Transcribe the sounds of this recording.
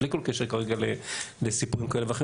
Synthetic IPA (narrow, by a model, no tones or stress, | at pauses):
likolkeʃekaʁeɡalelesipuʁimkaʔeleveaχe